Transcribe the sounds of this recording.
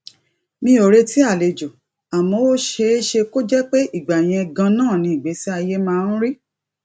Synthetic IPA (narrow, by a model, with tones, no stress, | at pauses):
mĩ˧˦o˨ɾe˧ti˦a˦˨le˨d͡ʒo˨ | a˨mɔ̃˧˦wo˦ʃe˧˦ʃe˧ko˦d͡ʒɛ˦k͡pe˦i˦˨ɡ͡ba˨j̃ɛ̃˧ɡã˧nãː˦˨nĩ˨˧˦i˨ɡ͡be˨˦si˦a˧je˦mãː˦˧˦n̩˦ɾi˦